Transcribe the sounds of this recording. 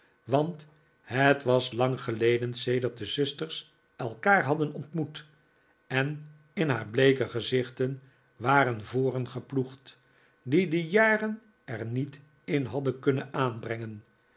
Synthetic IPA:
ʋɑnt | hətʋɑslɑŋχəlejdənsejdəɹt̚dəzʏstərs | ɛlˠkaːɹɦɑdənɔntmut | ɛn | ɪnɦaːɹblejkəχəzɪχtən | ʋaːɾənvoːrənχəpluχt | didəjaːrən | ɛrnit | ɪnɦɑdənkɵnənaːnbrɛŋən

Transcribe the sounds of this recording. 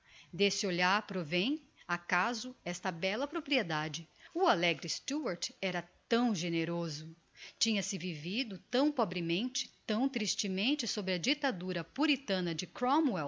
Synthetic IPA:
d̪esɪoʎaɾpɾovẽj̃ | akazʊɛst̪ɐbɛlɐpɾopɾied̪ad͡ʒɪʊalɛɡɾɪst̪uɐɾt͡ʃɛɾɐt̪ɐ̃w̃ʒeneɾozʊ | t͡ʃĩɲɐsɪvivid̪ʊt̪ɐ̃w̃pɔbɾɪmẽnt͡ʃɪ̥t̪ɐ̃w̃t̪ɾist͡ʃɪmẽnt͡ʃɪsobɾɪɐd͡ʒit̪ad̪uɾɐpuɾit̪ɐ̃nɐd͡ʒɪkɾõmwɛw

